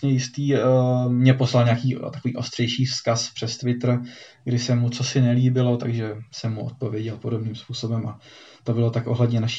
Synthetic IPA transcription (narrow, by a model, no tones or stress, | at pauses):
ɲɛjɪst̪iːmɲɛpo̞slalɲeakiːt̪akoviːʔo̞st̪r̥ɛjʃiːfskaspr̝̥ɛst̪vɪt̪r̩ɡdɪsɛmut͡so̞sɪnɛliːbɪlo̞t̪aɡʒɛsɛmːuʔo̰t̪̚po̞vjɛɟɛlpo̞do̞bniːmspuːso̞bɛmʔat̪o̞bɪlo̞t̪akʔo̞ɦlɛd̪ɲɛnaʃi̥